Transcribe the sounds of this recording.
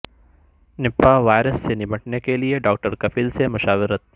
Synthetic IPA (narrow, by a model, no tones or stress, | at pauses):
nɪpːaʋaːjɾəsːenɪməʈnekelieɖɔːk̚ʈəɾkɐfiːlsemʊʃaːʋɪɾət̪̚